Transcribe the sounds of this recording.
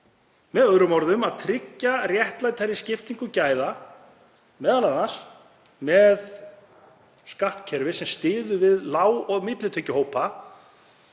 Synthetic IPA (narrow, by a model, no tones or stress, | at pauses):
mɛðœɣɾʏmɔɾðʏmaðt̪ʰɾɪcːarjɛht̪lajt̪ʰajɾɪscɪft̪iŋkʏcaːjða | mɛːðanlanːas | mɛð | skaht̪cʰɛɾvɪsɛmst̪ɪːðʏvɪðlaːwɔɣmɪt̪lɪt̪ʰœːcːʏhɦoːwpa